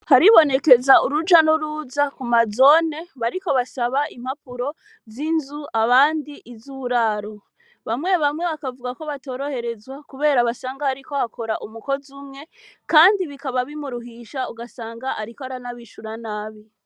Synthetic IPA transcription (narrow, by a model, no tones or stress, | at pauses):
haɾiβo̞ne̞ke̞zauɾud͡ʒanuɾuzakumazo̞ːne̞βaɾiko̞βasaβaʔim̥hapuɾo̞ | zinzuaβaːndiʔizuɾaɾo̞ | βamŋe̞βamŋe̞βakavuɡako̞βato̞ːɾo̞he̞ɾe̞zwakuβe̞ːɾaβasaːŋɡaaɾiko̞hakʰo̞ɾaʔumuko̞zumŋe̞kaːndiβikaβaβimuɾuɦiʃauɡasaːŋɡaʔaɾikoaɾanaβiʃuɾanaːβi